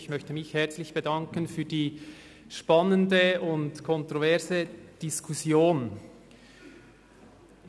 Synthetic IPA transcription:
çmœçtəmɪçhɛɐt͡slɪçb̥edɑŋkənfyːdiː | ʃpɑnəndəʊntkʰɔntɾovɛɐzəd̥iskʰusjoːn

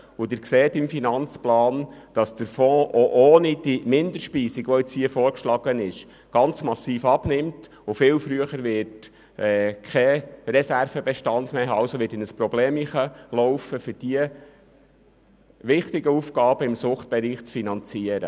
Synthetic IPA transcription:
ʊd̪ɪɾkseːtɪmfinɑnt͡splɑːnd̥ɑsd̥əɾfɔ̃ːʔoʔoːnid̥imɪnd̥̪əɾʃpiːsiɡʋɔɪt͡shiəfɔːɾkʃlɑɡ̥ənɪʃ | ɡ̥ɑnt͡smɑsːiːfɑbnɪmt | ʊfɪːwfɾyəχəɾʋɪt | ɛːkʰɛrɛsærfəbɛʃtɑndmeːɦɑːɑwsoʋɪtɪnəspɾɔbleːmiχəlɔwfəfʏɾd̥iə | ʋɪχtɪɡəufɡɑːb̥əɪmsʊχt̚b̥ɛɾiːχt͡sfinɑnt͡siːəɾə̰

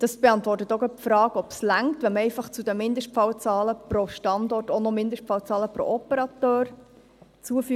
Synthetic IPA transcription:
d̥ɑsb̥eɑntʋɔrtət̪oɡəfɾɑːɡɔpslæŋtʋɛmɛɪfɑχt͡sudəmɪnd̪əʃtpfɑwt͡sɑːləpɾɔʃtɑndɔrtɔnɔmɪndəʃtfɑwt͡sɑːləpɾɔ̰ʔɔpəɾɑt̪øːɾ | t͡suəfy

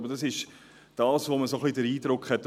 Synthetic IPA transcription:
bədɑsɪʃ | d̥ɑːsvoməsoχlidəɾiːdɾʊkχhɛtː

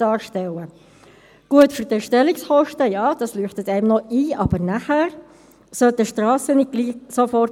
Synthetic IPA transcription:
ɑːɾʃtɛlə | ɡ̥uətfyɾdɛʃtɛliksχɔʃtəjɑːd̥ɑslyːχtətɛɪmnɔiːʔɑb̥əɾnæχæɾ | sœltəʃtrɑːsənit̚ɡ̥liːsofɔrt

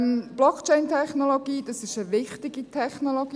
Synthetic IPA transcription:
mb̥lɔkt͡ʃɛɪntʰɛχnoloɡ̥iːd̥ɑsɪʃəʋɪχtɪɡitʰɛχnoloɡi

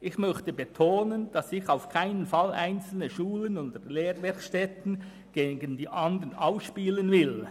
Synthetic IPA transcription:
ʔɪçmœçtəbetʰoːnənd̥ɑsɪçaʊfkʰaɪnənfɑlʔa̰ɪnt͡sl̩nəʃuːlənʊndəleːɾvɪʁʃtɛtn̩ | ɡ̥eːɡəndiːʔɑndənʔaʊsʃpiːlənvɪl

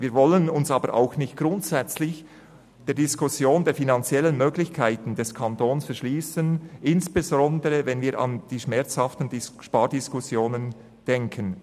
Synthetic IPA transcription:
viːvɔlənʊnsɑːbəɾʔa̰ʊxnɪçt̚ɡ̥ɾʊntsɛt͡slɪç | d̥eːɐɾd̥iskʊsjoːndeːɐfinɑnt͡sjɛlənmøːɡlɪçkʰaɪtn̩dɛskʰantoːnsfɛɐɾʃliːsənʔɪnsb̥ezɔndəʁəvɛnviːɾʔɑ̰nd̥iːʃmɛɾt͡shɑftn̩diʃpaːɾdɪskʊsjoːnən | d̥ɛŋkʰən

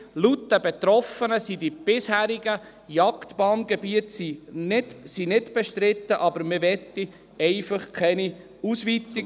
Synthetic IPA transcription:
lutdəbɛt̪ɾɔfənəsidib̥ɪshæːɾiɡə | jɑkt̪b̥ɑːnɡ̥ɛbiətsinɪdsinɪdb̥ɛʃtɾɪt̪ːəʔɑbəɾmɪʋɛt̪ːi | ɛɪfəχkʰɛni | usʋit͡si

